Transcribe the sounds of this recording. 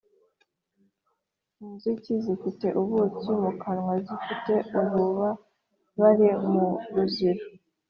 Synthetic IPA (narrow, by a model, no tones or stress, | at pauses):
inzucizifite̞ʔuβut͡sumukanŋwazifite̞uβuβa | βaɾimuɾuziɾu